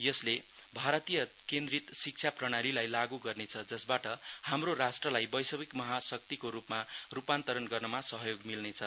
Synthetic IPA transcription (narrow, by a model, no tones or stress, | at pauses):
jʌsle | bʱaɾʌt̪ijʌ | kend̪rit̪sik̚t͡sʰjaprʌɽ̃aɾilajlaɡuɡʌrnet͡sʰʌd͡zʌsbaʈʌhamroɾasʈrʌlajbʌjsʌbikmʌɦasʌk̚t̪ikoɾupmarupant̪ʌɾʌnɡʌrnʌmasʌɦʌjoɡmilnet͡sʰʌ